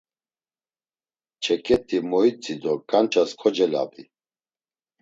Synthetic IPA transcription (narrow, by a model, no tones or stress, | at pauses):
t͡ʃʰɛkʼɛt̪ʰʼimɔit͡sʼid̪ɔkʼant͡ʃʰʼaskʰɔd͡ʒɛla̰bi